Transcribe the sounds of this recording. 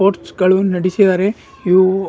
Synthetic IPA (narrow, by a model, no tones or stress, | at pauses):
oːɾʈsɡɐɭunɐɽisid̪aːɾe | iʋ